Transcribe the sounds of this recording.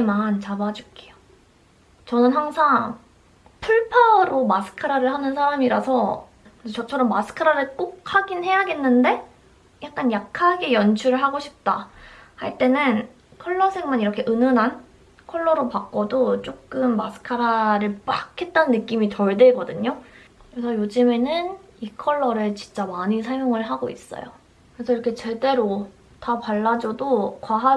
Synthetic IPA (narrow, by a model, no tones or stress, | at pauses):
emant͡ɕabad͡ʑuk͈eo | t͡ɕʌnɯnhaŋsʰaŋ | pʰuɭpʰaɾomasʰɯ̥kʰɯɾaɾɯɭhanɯnsʰaɾamiɾasʰʌ | t͡ɕʌt͡ɕʰʌɾʌmːasʰɯ̥kʰɯɾaɾɯɭk͈ok̚haɡinhe̞jaɡe̞nːɯnde̞ | jak̚k͈anjakʰaɡe̞jʌnt͡ɕʰuɾɯɭɦaɡoɕʰip̚t͈ahaɭt͈e̞nɯn | kʰʌɭːʌsʰe̞ŋmaniɾʌkʰe̞ʔɯnɯnɦan | kʰʌɭːʌɾopak̚k͈odot͡ɕ͈ok̚k͈ɯmːasʰɯ̥kʰaɾaɾɯɭp͈akʰe̞t̚t͈annːɯk͈imit͡ɕʌɭdweɡʌdɯɲokɯɾesʰʌjod͡ʑɯme̞nɯn | ikʰʌɭːʌɾɯt͡ɕint͡ɕ͈amaɲisʰaɭmjoŋɯɭɦaɡoḭs͈ʌ̰jo̰ | kɯɾe̞sʰʌiɾʌkʰe̞t͡ɕe̞de̞ɾo | tapaɭːad͡ʑʌdokwaɦa